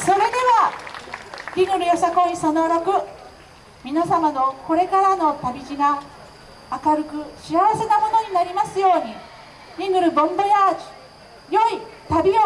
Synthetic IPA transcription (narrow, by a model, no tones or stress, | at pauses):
so̞ɾe̞d̪e̞βa | ɾʲiŋɡɯ̟ɾɯ̟josakõɲisanoɾakɯ̟ | mʲinasamano̞ko̞ɾe̞kaɾano̞t̪abʲiʑiɡaː | kaɾɯ̟kɯ̟ɕiaβase̞namo̞no̞ɲ̟inaɾʲimasɨjo̞ːɲ̟i | ɾʲiŋɡɯ̟ɾɯ̟bõ̞mbajad͡ʑi̥ | jo̞it̪abʲio